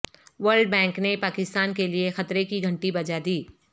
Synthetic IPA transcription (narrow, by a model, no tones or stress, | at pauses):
ʋəɾlɖbɛ̃ːŋknepaːkɪst̪aːnkeliexɐt̪ɾekiɡʱɐ̃ɳʈibɐd͡ʒad̪iː